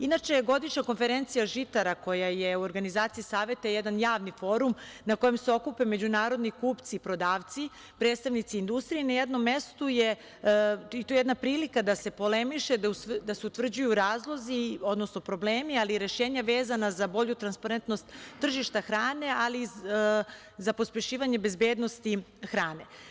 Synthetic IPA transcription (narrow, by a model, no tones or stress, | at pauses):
inat͡ʃeɡo̞d̪it͡ʃnako̞nfe̞ɾe̞nt̪sijaʒit̪aɾako̞jajeuo̞ɾɡanizaːt̪siisaːʋe̞t̪ajed̪anjaːʋnifo̞ːɾum | nako̞jemseo̞kupe̞me̞d͡ʑunaːɾo̞d̪nikuːpt̪siːpɾo̞d̪aːʋt̪si | pɾeːd̪st̪aʋnit̪siːnd̪ust̪ɾijenajed̪no̞mːje̞st̪uje | it̪ojejd̪napɾiːlikad̪ase̞po̞le̞miʃed̪aseut̪ʋr̩d͡ʑujuɾaːzlˠo̞zio̞d̪no̞sno̞pɾo̞bleːmialiːɾe̞ʃe̞ːɲaʋe̞ːzanazabo̞ʎut̪ɾanspaɾent̪no̞st̪ːr̩ʒiʃt̪axɾaːne̞ali | zapo̞spje̞ʃiːʋaɲe̞be̞zbjeːd̪no̞st̪ixɾaːne̞